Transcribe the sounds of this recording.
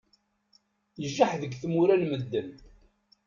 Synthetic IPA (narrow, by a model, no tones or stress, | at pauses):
jəʒːaħðəɡθmuɾænməd̪ːəm